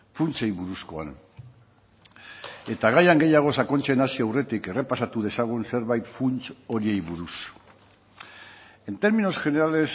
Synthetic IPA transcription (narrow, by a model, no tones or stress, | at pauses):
funt͡sejβuɾusko̞a̰n | e̞t̪aɣajaŋɡe̞jaɣ̞o̞sako̞nt͡ʃe̞nasioawre̞t̪ike̞re̞pasat̪uð̞e̞saɣ̞unse̞ɾβajt̪funt͡so̞ɾie̞jβuɾus | e̞nt̪e̞ɾmino̞sʝe̞ne̞ɾale̞s